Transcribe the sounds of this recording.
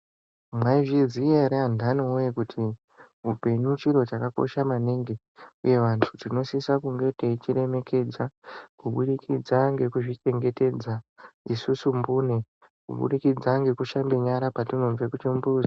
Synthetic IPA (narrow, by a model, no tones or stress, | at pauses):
mwaiʐizieɾeandanoujekutʰi | ɦupe̞ɲut͡ʃiɾo̞t͡ʃakako̞̰ʃamaneŋɡe | uje̞ʋantʰutino̞sisakuŋɡe̞teit͡ʃiɾe̞me̞kʰe̞d͡zakuɓuɗikʰid͡zaŋɡe̞kuʐit͡ʃe̞ŋɡe̞te̞d͡zaisusumbuːne | kṵɓṵɗikid͡zaŋɡe̞kuʃambeɲaɾapatino̞ɱvekut͡ʃimbuza